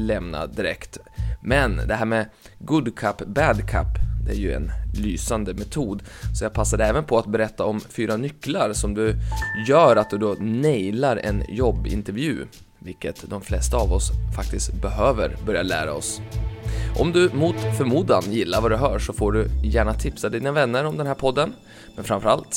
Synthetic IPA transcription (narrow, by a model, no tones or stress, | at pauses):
lɛmna̰d̪ɪɾɛkt̪ | mɛnd̪ɛɦæːɾmɛ | ɡɵd̪kʰapːbæd̪kʰa̰pːd̪ɛæɾjɵɛ̰nlyːsand̪əmɛt̪ʰuːd̪sɔjaːɡ̚pʰasːad̪ɛɛːvənpʰɔat̪bɛɾɛt̪ːaɔmfyːɾanʏkːlaɾsɔmd̪ɵjœːɾat̪̚d̪ɵd̪ɔnɛjlaɾɛ̰njɔbːɪ̰nt̪ɛɾvjʉ̟̰ː | vɪlkət̪d̪ɔmflɛst̪aɑvɔsfak̚t̪ɪst̪bɛɦøːvə̰ɾbœɾjaɭæ̰ːɾa̰ɔs | ʔɔmd̪ɵmut̪fœɾmuːd̪anjɪlːaɾvad̪ɵɦœːʂɔfoːɖɵjæːɳat̪ʰɪpsad̪iːnavɛnːəɾɔmd̪ɛnɦæːɾpʰɔd̪ːən | mɛnfɾamfœɾalt̪